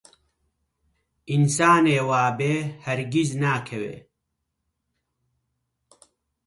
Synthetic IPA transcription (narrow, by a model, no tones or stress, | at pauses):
ʔinsaːneːwaːbeːhɐɾɡiznaːkʰɐwḛː